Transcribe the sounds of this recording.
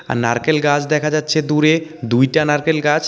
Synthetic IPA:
a̰naɾkelɡad͡ʑʰd̪ɛkʰad͡ʑatːʰed̪uɾed̪ujʈanaɾkelɡad͡ʑ

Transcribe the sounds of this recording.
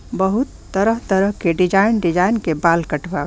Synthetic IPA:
bəɦut̪ːəɾəɦt̪əɾəɦkeɖid͡ʒainɖid͡ʒainkebalkəʈba

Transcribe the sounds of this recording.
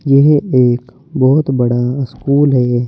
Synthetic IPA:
jeɦeːk | bɔːt̪bɐɽaskuːlɦɛː

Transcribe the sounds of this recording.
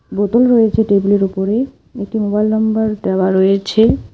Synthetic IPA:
bot̪olɾojet͡ɕʰeʈebuleɾupoɾe | ek̚ʈimobajlnɔmbaɾd̪ɛwaɾojet͡ɕʰe

